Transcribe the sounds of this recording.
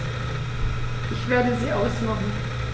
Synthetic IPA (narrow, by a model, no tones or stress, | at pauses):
ʔɪçv̥eːɐdəziːʔaʊsmaχn̩